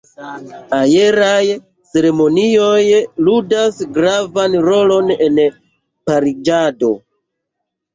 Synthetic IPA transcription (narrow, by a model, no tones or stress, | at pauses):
aje̞ɾaj | t͡se̞ɾe̞mo̞nio̞jludasɡɾavanɾo̞lo̞ne̞n | paɾid͡ʒado̞